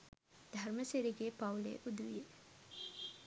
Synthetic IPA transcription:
d̪ʱaɾməseɾiɡepawlḛʔud̪uʋije

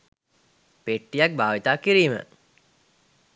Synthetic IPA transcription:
peʈːijak̚bʱaːʋit̪aːkiɾiːmə̰

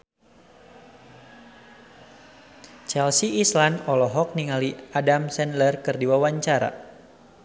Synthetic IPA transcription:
t͡ʃɛlsiːslanɔlɔɦɔk̚niŋaliadamsɛnlərkɨrdiwawaɲt͡ʃaɾa̰

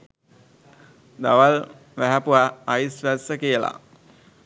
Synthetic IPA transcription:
d̪aʋal | ʋæɦæpuʋaːjsʋæsəkijəla̰

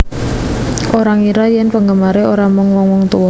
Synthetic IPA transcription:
ʔoɾaŋiɾajɛnpəŋɡəmaɾeoɾamɔŋwɔŋwɔŋt̪uwɔ

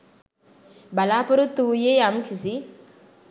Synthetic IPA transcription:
balapəɾotujejam̩kʰizi

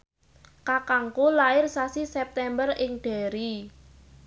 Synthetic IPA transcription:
kakaŋkulaɪrsasisɛp̚t̪ɛmbərɪŋɖ̪̥a̤ɾi

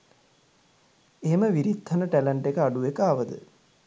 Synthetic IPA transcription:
eməʋiɾit̪ʰːɐnəʈæləɳʈekəaɖuʋekaːʋəd̪ə̰

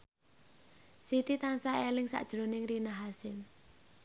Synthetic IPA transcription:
sit̪it̪ansaelɪŋsa̰ʔd̥ʒ̥ɾonɪŋrinaɦasɪm

